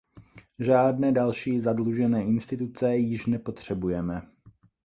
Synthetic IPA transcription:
ʒaːdnɛːdalʃiːzadluʒɛnɛːʔɪnst̪ɪt̪ut͡sɛjɪʃnɛpo̞t̪r̝̥ɛbujɛmɛ

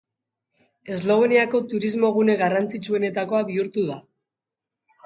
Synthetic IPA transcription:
e̞zlo̞β̞eniako̞t̪uɾizmo̞ɣ̞une̞ɣarant͡sit͡ʃue̞ne̞t̪ako̞aβiuɾt̪uða

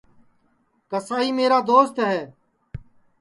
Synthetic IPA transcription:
kəsaːɦiːmeːɾaːd̪oːst̪ɦɛː

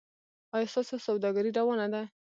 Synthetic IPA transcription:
ɑjɑst̪ɑsosawd̪ɑɡaɾiɖawɑnad̪a

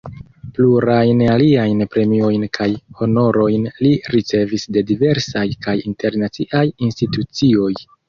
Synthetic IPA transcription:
pluɾajnaliajnpɾe̞mio̞jnkʰajho̞no̞ɾo̞jnliɾit͡se̞visde̞dive̞ɾsajkajinte̞ɾnat͡siʔajinstitut͡sio̞j

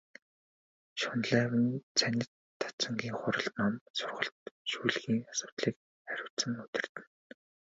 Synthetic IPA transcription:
ʃʊnɮæːwɘ̆nt͡sʰænʲɪ̆t̪ʰːɔ̥t͡sə̆ŋɡʲiːŋχʊɾə̆ɮnɔmsʊrʁə̆ɬt̪ʃuːɮɣiːŋasʊ̥ːt̪ɮiːk | χæɾʲʊ̆wt͡sə̆ŋɵt̪ɪ̆r̥t̪ɘ̆n

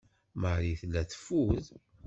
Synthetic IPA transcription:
məʕɾiθlːæθə̥fːuð

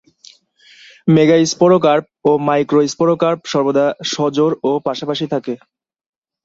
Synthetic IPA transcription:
meɡaispɔɾok̬aɾp̚omajkɾoispɔɾokaɾpʃɔɾbod̪aʃɔd͡ʑoɾopaʃapaʃit̪ʰake

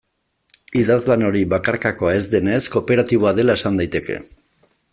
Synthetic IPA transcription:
iðazlano̞ɾiβakaɾkako̞ae̞zd̪e̞ne̞sko̞pe̞ɾat̪iβoaðe̞lae̞sand̪ajt̪e̞kḛ

